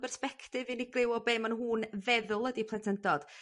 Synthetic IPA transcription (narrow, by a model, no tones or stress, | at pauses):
bɛrspɛkʰtɨvɨniɡrɪwɔbeːmənɦuːnvɛðʊlˠədipʰlˠɛntʰəndɔd̥